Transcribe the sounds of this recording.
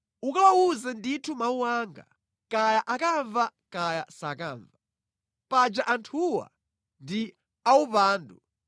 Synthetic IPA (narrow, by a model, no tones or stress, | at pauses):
ukawawuzɛnditʰumauwaːŋɡa̰ | kajaʔakaɱvakajasakaːɱva | pad͡ʒaʔantʰuwa̰ | ndi | aupaːndṵ